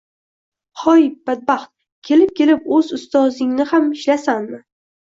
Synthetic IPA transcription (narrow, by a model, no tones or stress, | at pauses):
hɒjb̥ad̪̚baχt̪̚ | kʲʰe̞lɪp̚kʲʰe̞lɪpɵzʊst̪ɒzɪŋnɪhamɪʃlasanmɪ